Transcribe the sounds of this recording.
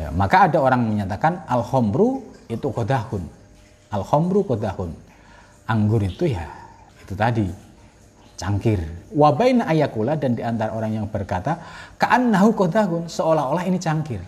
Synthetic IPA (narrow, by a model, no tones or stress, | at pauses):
ja̰makaːdaoɾaŋməɲat̪akanalhɔmɾuit̪ukod̪ahʊn | alhɔmɾukod̪ahʊn | ʔaŋɡʊɾit̪uja | it̪ut̪adi | t͡ʃaŋkɪrwabainaʔːjakuladandiant̪aɾaoɾaŋjaŋbərkat̪akaʔanːaɦukɔd̪aɦʊnsəolaɦolahinit͡ʃaŋkɪr